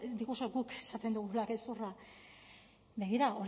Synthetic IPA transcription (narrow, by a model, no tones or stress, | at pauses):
d̪ikusoɡukesat̪e̞nd̪uɣulakesura | be̞ɣiɾaoɾ